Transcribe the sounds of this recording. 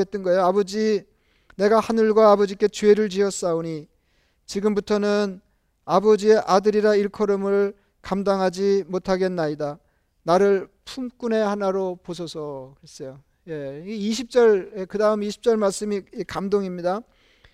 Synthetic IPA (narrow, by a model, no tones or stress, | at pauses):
et͈̚ʌnɡʌe̞joabʌd͡ʑi | ne̞ɡahanɯɭɡwaːbʌd͡ʑik͈e̞t͡ɕeeɾɯɭt͡ɕiʌs͈aoɲi | t͡ɕiɡɯmbutʰʌnɯn | abʌd͡ʑie̞ʔadɯɾiɾaiɭkʰʌɾɯmɯɭ | kamdaŋɦad͡ʑimotʰaɡe̞nːaida | naɾɯɭpʰumk͈une̞hanaɾopos̬ʰʌsʰʌkɯɾes͈ʌjo | je̞iɕ̬ʰip̚t͡ɕ͈ʌɾekɯdaɯmeiɕʰi̥p̚t͡ɕ͈ʌɭmaɭs͈ɯmiekamdoŋimɲida